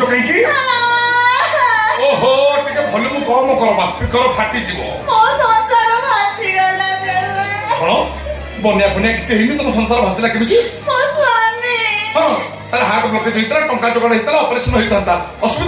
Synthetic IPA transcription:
ɔkaɦĩkiɦa | oɦoʈikabʱɔlumũkɔɾmɔkɔɾɔbaspikɔɾɔpʰaʈit̪ibɔ̰mɔsɔnsaɾɔbʱasiɡɔlad͡ʒeɾɡʰʱɔɽ̃ɔ | bɔneapɔniakit͡ʃʰeɦimit̪ɔmɔsɔnsaɾɔbʱasilakebĩkimɔsuamiɦɔ̃ | t̪aɾeɦaɾk̪ɔbɔt̪it͡ʃʰɔɦit̪aɾaʈɔŋkat͡ʃɔkaɽ̃eɦit̪alaɔpɔɾeksʰɔnɔɦojt̪ʰant̪aɔsubid̪

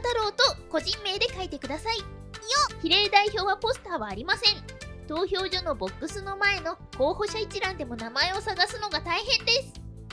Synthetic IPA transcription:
t̪aɾo̞ːt̪o̞ko̞ʑĩmːe̞ːd̪e̞kait̪e̞kɯ̟d̪asaioçiɾe̞ːd̪aiço̞ːβapo̞sɨ̥t̪aːβaːɾʲimasẽ̞ɴt̪o̞ːçʲo̞ːʑo̞no̞bo̞kːɯ̟sɨno̞mae̞no̞ | ho̞ːho̞ɕait͡ɕiɾãnd̪e̞mo̞namae̞o̞saɡasɨno̞ɡat̪aiɦẽ̞nd̪e̞sɨ̥

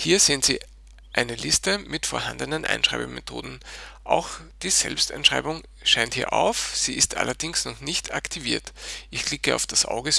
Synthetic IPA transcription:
hiːɐz̥eːənz̥ḭː | ʔæɪnəlɪstəmɪtfoːɐhã̰ndənənʔæ̰ɪnʃʁaɪbəmetʰo̰ːdn̩ʔaʊxd̥iːz̥ɛ̰lpsta̰ɪnʃʁ̥aɪbʊŋ | ʃaɪnthiːɐʔa̰ʊfz̥iːɪstʔa̰lɐdɪŋsnɔχnɪçtʰaktʰiviːɐtʔɪç̥lɪkəa̰ʊfd̥asʔa̰ʊɡə

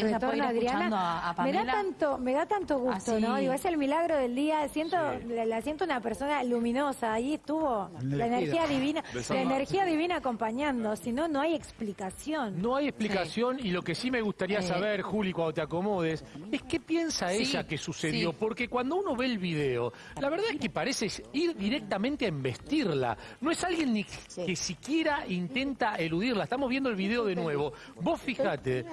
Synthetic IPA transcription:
ret̪oɾnnoaðɾianameðaant̪ome̞ðat̪ant̪oɣust̪onoðiɣoeselmilaɣɾoðeld̪iasjent̪olasjent̪ounapeɾsonalumĩnosaːiest̪uβolaeneiaðiβinaelaeneɾxiaðiβinaːko̞mpaɲand̪o̞sinono̞ajeksplikasjonno̞ajesplikasjo̞nilo̞ke̞sime̞ɣust̪aɾiasaβeɾxulikwand̪ot̪ako̞mo̞ðese̞ske̞pje̞nsaeʒakesuseðjo̞po̞ɾke̞kwand̪o̞uno̞βe̞ːlβiðeo̞̰ | laβeɾðaeskepaɾe̞sesiɾðiɾek̚t̪amẽnt̪eaimbe̞st̪iɾla̰ | no̞esalɣje̞nːikesikje̞ɾaʔint̪e̞nt̪aeluðirlaest̪amo̞zβjend̪olβiðe̞o̞ðe̞nwe̞βo̞ | bo̞sfixat̪e

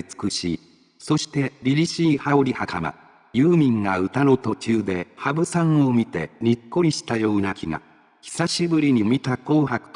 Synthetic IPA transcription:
t͡sɨ̥kɯ̟ɕḭ | so̞ɕi̥t̪e̞ɾʲiɾʲiɕiːhaoɾʲihakama̰ | jɯːmʲĩŋɡaɯ̟t̪ano̞t̪o̞t͡ɕɨːd̪e̞habɯ̟sãɰ̃o̞mʲit̪e̞̰ɲikːo̞ɾʲiɕi̥t̪ajo̞ːnakʲʰiɡa̰ | çi̥saɕibɯ̟ɾʲiɲ̟imʲit̪ako̞ːhakɯ̟̥

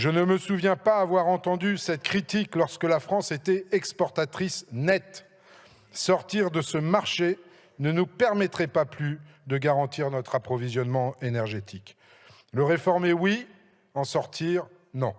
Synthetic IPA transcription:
ʒənəməsuvjɛ̃paːvwaʁɑ̃t̪ɑ̃d̪ysɛt̪kχit̪iklɔʁskəlafχɑ̃set̪ɛɛkspɔʁt̪at̪χisnɛt̪ | sɔʁt̪iʁd̪əsəmaʁʃe | nənupɛʁmɛt̪χɛpaply | d̪əɡaʁɑ̃t̪iʁnɔt̪χapχɔvizjɔnmɑ̃enɛʁʒet̪ʰik | ləʁefɔʁmewi | ɑ̃sɔʁt̪ʰiʁ | nɔ̃

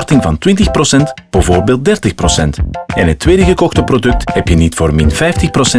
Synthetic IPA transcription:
rtɪŋvɑntwɪntəxprosɛntb̥əvoːrbeːlˠt̚dɛrtəxprosɛntɛnɦətːweːdəɣəkɔxtəprodɵk̚thɛpjənitfoːrmɪnfɛjftəxprosɛ

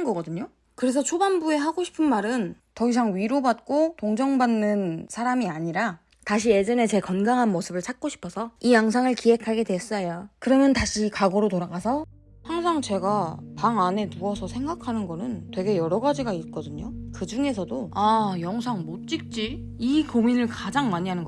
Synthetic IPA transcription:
nɡʌɡʌdɯɲo | kɯɾe̞sʰʌt͡ɕʰobanbue̞ɦaɡoɕʰi̥pʰɯnmaɾɯntʌis̬ʰaŋɥiɾobat̚k͈otoŋd͡ʑʌŋbanːɯnsʰaɾamiaɲiɾa | taɕʰie̞d͡ʑʌne̞t͡ɕe̞kʌnɡaŋɦanmosʰɯbɯɭt͡ɕʰak̚k͈oɕʰi̥pʰʌsʰʌijʌŋsʰaŋɯɭkiɦe̞kʰaɡe̞dwe̞s͈ʌjokɯɾʌmjʌntaɕʰikaɡʌɾotoɾaɡasʰʌ | haŋsʰaŋt͡ɕe̞ɡapaŋane̞nuʌsʰʌsʰe̞ŋɡakʰanɯnɡʌnɯntwe̞ɡe̞jʌɾʌɡad͡ʑiɡait̚k͈ʌdɯɲokɯd͡ʑuŋe̞sʰʌdoajʌŋsʰaŋmot̚t͡ɕ͈ik̚t͡ɕ͈i | ikominɯɭkad͡ʑaŋmaɲiɦanɯnɡ

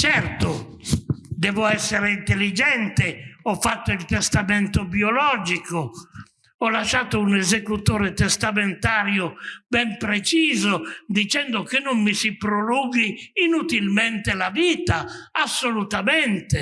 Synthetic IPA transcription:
t͡ʃɛrt̪o | d̪ɛːvoɛsːeɾeint̪elːid͡ʒɛnt̪eɔfːat̪ːoilt̪est̪ament̪objolɔːd͡ʒiko | ɔlːaʃːaːt̪ounezekut̪oːɾet̪est̪ament̪aːɾjobɛmpɾet͡ʃiːzod̪it͡ʃɛnd̪okenːʊmːisipɾoluːɡiːnut̪ilment̪elaviːt̪aasːolut̪ament̪e

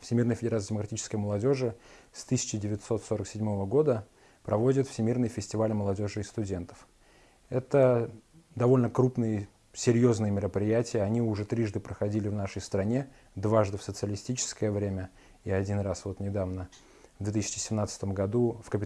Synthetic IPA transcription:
fsʲɪmʲirnəjəfʲɪdʲɾat̪sjdʲɪməkɾɐtʲit͡ɕɪskəjəməlˠɐdʲo̞ʐɨst̪ɨsʲɪ̥t͡ɕɪdʲɪvʲɪt̪so̞t̪so̞ɾəksʲɪdʲmo̞vəɡo̞d̪ə | pɾɐvo̞dʲɪt̪fsʲɪmʲirnɨjfʲɪsʲtʲɪvalʲməlˠɐdʲo̞ʐɨɪst̪ʊdʲe̞nt̪ə̥f | ɛt̪ə | d̪ɐvo̞lʲnəkɾupnɨjə | sʲɪɾʲjo̞znɨjəmʲɪɾəpɾʲɪjætʲɪjəɐnʲiʊʐɛt̪ɾʲiʐd̪ɨpɾəxɐdʲilʲɪvnaʂəjst̪ɾɐnʲe̞ | d̪vaʐd̪ɨfsət̪sɨəlʲɪsʲtʲit͡ɕɪ̥skəjəvɾʲemʲə | iɐdʲinrasvo̞t̪nʲɪd̪avnə | vd̪vʲet̪isʲɪ̥t͡ɕɪ̥sʲɪmnat̪sɨ̥t̪əmɡɐd̪ufkəpʲɪ

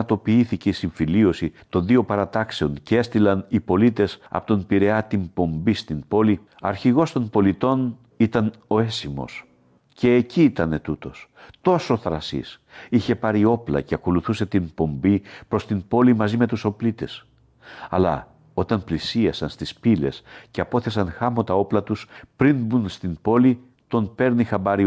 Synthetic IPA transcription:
t̪o̞piiθice̞isiɱfilio̞sit̪o̞nðio̞pɐɾɐt̪ɐkse̞o̞ncee̞st̪ilɐnipo̞lit̪e̞sɐ̰pot̪o̞npiɾe̞ɐt̪impo̞mbist̪impo̞li | ɐ̰ɾçiɣo̞st̪o̞mpo̞lit̪o̞n | it̪ɐno̞e̞simo̞̰s | ce̞ːciːt̪ɐne̞t̪ut̪o̞st̪o̞so̞θɾɐsḭs | içe̞pɐɾio̞plɐ̰ce̞ɐko̞luθuse̞t̪impo̞mbipɾo̞st̪impo̞limɐzime̞t̪uso̞plit̪e̞s | ɐ̰lɐ̰ | o̞t̪ɐmplisiɐsɐnst̪ispile̞̰sce̞ɐpo̞θe̞sɐnxɐmo̞t̪ɐo̞plɐt̪uspɾinbunst̪impo̞li | t̪o̞npe̞ɾnixɐbɐɾi

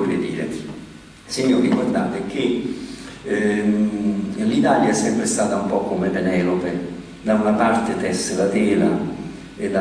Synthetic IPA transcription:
rɪ̰d̪ḭːɾḛ | siɲːokikord̪anpekːɪ | lit̪aːljaɛsːɛmpɾɪst̪aːt̪aumpɔkːomepenɛːlope | d̪aunapart̪ɪt̪ɛslat̪ɛːla̰ | ed̪a

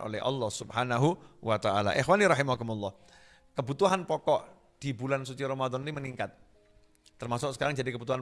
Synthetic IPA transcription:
ʔo̰lɛ̰hʔɑ̰lːɔhsubhanaɦuwat̪aʔa̰la̰ʔɪxwaniɾɑɦimakumulːɑh | kəbut̪uɦanpɔkɔʔ | d̥ibulansut͡ʃiɾomad̪ɔnniməniŋkat̪̚ː | ərmasʊk̚sə̥kaɾaŋd͡ʒadikəbut̪uɦan

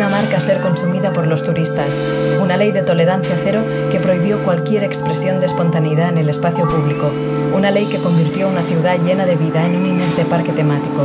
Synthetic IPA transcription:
namaɾkase̞ɾko̞nsumiðapo̞ɾlo̞st̪uɾist̪as | unale̞jðe̞t̪o̞le̞ɾan̟θjaθe̞ɾo̞ | ke̞pɾo̞iβjo̞kwalkje̞ɾe̞kspɾe̞sjo̞nd̪espo̞nt̪aneiðaene̞le̞spaθjo̞puβ̞liko | unale̞jke̞ko̞mbiɾt̪jo̞unaθiuwðaʎe̞nað̞e̞βiðaenunineɾt̪e̞paɾke̞t̪e̞mat̪iko

